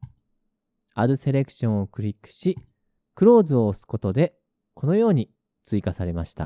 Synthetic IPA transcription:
aɾɯ̟se̞ɾe̞kɯ̟̥ɕõ̞ɰ̃okɯ̟ɾʲikːɯ̥ɕi | kɯ̟ɾo̞ːzɨo̞ːsɨ̥ko̞t̪o̞d̪e̞ | kʰo̞no̞jo̞ːɲ̟i | t͡sɨikasaɾe̞maɕi̥t̪a̰

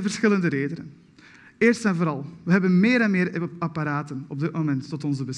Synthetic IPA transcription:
vərsxɪləndəɾeːdənə̰n | eːrstɛnvoːɾɑlˠʋəɦɛbənmɪːɾɛnmɪːɾɑpaɾaːtənɔb̚dɪt̚momɛntːɔtɔnzəbəs

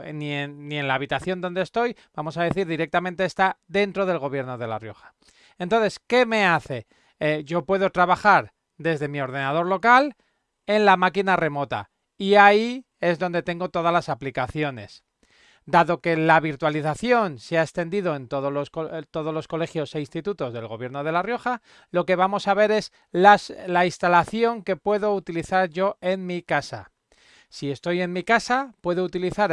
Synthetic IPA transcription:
nienːie̞nlaːβit̪aθjo̞nd̪o̞nd̪eːst̪o̞jb̥amo̞saðe̞θiɾðiɾe̞k̚t̪amẽnt̪e̞ːst̪aðe̞nt̪ɾo̞ðe̞lɣ̞o̞βje̞ɾno̞ð̞e̞la̰rjo̞xḁ | e̞nt̪onθe̞ske̞me̞aθe̞ | eʝo̞pwe̞ðo̞t̪ɾaβaxaɾ | d̪e̞zðe̞mio̞ɾð̞e̞nað̞o̞ɾlo̞kal | e̞nlamakinare̞mo̞t̪a̰ | iai | e̞zðo̞nd̪e̞t̪e̞ŋɡo̞t̪o̞ðazlasaplikaθjo̞ne̞̰s | d̪aðo̞ke̞laβ̞iɾt̪waliθaθjo̞nseaest̪e̞nd̪iðo̞e̞nt̪oot̪o̞ð̞o̞zlo̞sko̞le̞xjo̞se̞inst̪it̪ut̪o̞zðe̞lɣo̞βje̞ɾno̞ð̞e̞larjo̞xa | lo̞ke̞β̞amo̞saβ̞e̞ɾe̞s | lainst̪alaθjo̞ŋke̞pwe̞ðo̞ut̪iliθaɾʝo̞e̞nmikasa̰ | sie̞st̪o̞je̞nmikasapwe̞ðo̞ut̪iliθaɾ

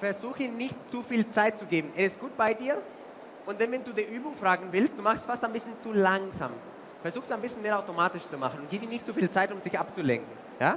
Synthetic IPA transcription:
fɛɐzuːxəinɪçt̚t͡sufiːlt͡saɪt̚t͡suɡeːbm̩ʔɛɪst̚ɡ̥uːt̚b̥aɪdiːɐ | ʔʊntd̥anvɛnduːdiːʔyːbʊŋfʁ̥aːɡŋ̩vɪlstd̥uːmaχxstfaɐstaɪnbɪsçənt͡sulaŋza̰ːm | fɛɐzuːxsaɪnmbɪsçən̩meːɐaʊtomaːtɪʃt͡sumaχn̩ʊntɡ̥iːbəiːnɪçtt͡sufiːlt͡saɪtʊmzɪçʔapt͡sulɛ̰ŋkŋ̩ | jaː

